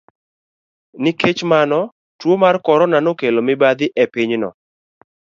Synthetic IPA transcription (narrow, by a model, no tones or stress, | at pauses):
nɪket͡ʃmanɔ | twomarkɔɾɔnanokelomɪbad̪ɪʔɛpɪɲnɔ̰